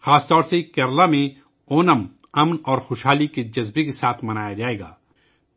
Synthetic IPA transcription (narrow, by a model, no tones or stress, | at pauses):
xaːst̪ɔːɾsekɐɾlamẽ | oːnəm | ɐmnɔːɾxʊːʃɦaːliked͡ʒɐzbekesaːt̪ʰmɐnaːjad͡ʒaːeːɡa̰ː